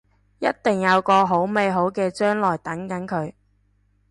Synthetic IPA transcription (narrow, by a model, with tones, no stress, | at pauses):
jɐ˥t̚t̪ɪ˨˩ŋjɐ˨˧wkɔː˧ɦo˨˥wme˨˧jɦo˨˥wkɛː˧t͡ʃœː˥ŋlɔː˨˩jt̪ɐ˨˥ŋkɐ˨˥nkʰɵ˨˧ɥ